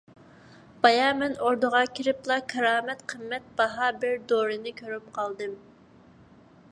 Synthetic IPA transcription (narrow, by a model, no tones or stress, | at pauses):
b̥ɑjɑmɛnoɾd̪əʁɑkʲʰiɾɪplˠɑkʲʰɑɾɑːmɛt̪qʰəmːɛt̪̚b̥ɑɦɑbɪɾd̪oɾɨnɪkʲʰøɾyp̚qʰɑlˠd̪ɨm